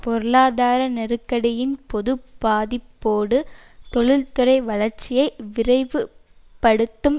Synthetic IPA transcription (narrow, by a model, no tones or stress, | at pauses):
pɔɾɯɭaːðaːɾɐnɛɾɯkːɐɽɐjɪnpɔðɯb̥aːðɪpːoːɽɯt̪ɔɭɪlt̪ɯɾɐɪʋɐɭɐɾt͡ʃːɪjɐɪʋɪrɐɪʋɯ | pːɐɽɯt̪ːɯm